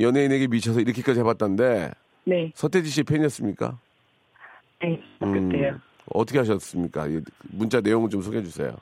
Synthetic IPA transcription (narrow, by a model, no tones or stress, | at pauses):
jʌneine̞ɡe̞mit͡ɕʰʌs̬ʰʌiɾʌkʰi̥k͈ad͡ʑiɦebat͈̚annde̞ | ne̞sʰʌtʰed͡ʑiɕ̬ʰiepʰeɲiʌs͈ɯmɲik͈a̰ | neɯkɯejo | ʌtʰʌkʰeɦaɕ̬ʰʌs͈ɯmɲik͈a̰ḭɡemunt͡ɕ͈ane̞joŋɯɭt͡ɕomsʰoɡɦed͡ʑusʰḛjo̰